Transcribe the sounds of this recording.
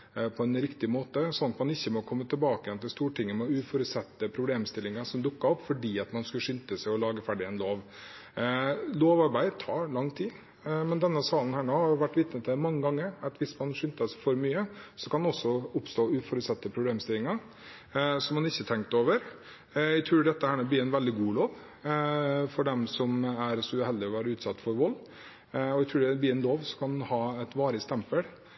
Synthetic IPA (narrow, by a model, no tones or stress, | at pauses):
pʰɔɛnɾɪkt̪ɪmoːt̪əsɔnɑt̪mɑnɪçːəmɔkʰɔmːət̪ʰɪlbɑːkəjɛnt̪ʰɪlst̪uːʈʰɪŋːəmɛɔʉːfɔɾʉt̪sɛt̪ːəpʰɾʊbleːmst̪ɪlɪŋɑʂɔmd̪ʊkːɑɔpːfɔɖiːɑt̪mɑnskʉʂʏnt̪əsɛɪɔlɑːɡəfæɖɪɛnloːʋ | loːʋɑɾbæɪt̪ʰɑːɾɭɑŋːt̪ʰiː | mɛnd̪ɛnːəsɑːlən̩hæːɳoːhɑɾjʊʋæʈːʋɪt̪nət̪ʰmɑŋːəɡɑŋːəɾɑt̪ʋɪsmɑnʂʏnt̪əsfɔɾmyːəsɔkʰɑnd̪ɔsːɔʊpst̪oːʉːfɔɾʉt̪sɑt̪ːəpʰɾʊbleːmst̪ɪlːɪŋɑɾ | sɔmɑnɪçːət̪ʰɛŋk̚t̪oːʋəɾ | æɪt̪ʰɾuːɖɛt̪ːəhæːɳob̪iːɾɛɪnʋɛld̪ɪɡuːloːʋ | fɔɖɛmsɔmæɾsɔhɛld̪ɪɔʋæːɾəʉːt̪sɑt̪ːfɔɾʋɔlː | ɔæt̪ʰɾʉːɖɛbliːɾɛɪnloːʋsɔkʰɑnhɑːɛt̪ʋɑːɾɪst̪ɛmpəl